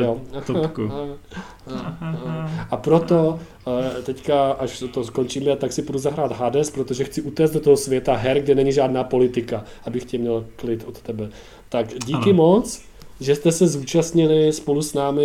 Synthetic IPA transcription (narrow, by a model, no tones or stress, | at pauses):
jok | ʔapɾo̞t̪o̞ | t̪ɛckaʔaʃt̪osko̞nt͡ʃiːmɛt̪aksɪpuduzaɦɾaːt̪ɦadɛspɾo̞t̪o̞ʒɛxt͡sɪʔut̪ɛːsd̪ot̪oɦosvjɛt̪aɦɛɾɡdɛnɛɲɪʒaːdnaːpo̞lɪt̪ɪka | ʔabɪxcɛmɲɛlklɪt̪ʔot̪t̪ɛbɛ | t̪akɟiːkɪmo̞t͡s | ʒɛst̪ɛsɛzuːt͡ʃast̪ɲɪlɪspo̞lusnaːmɪ